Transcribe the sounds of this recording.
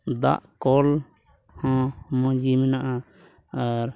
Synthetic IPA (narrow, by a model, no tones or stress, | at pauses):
d̪a̰ʔkɔl | hɔ̃mɔ̃d͡ʒimɛnaʔa | aɾ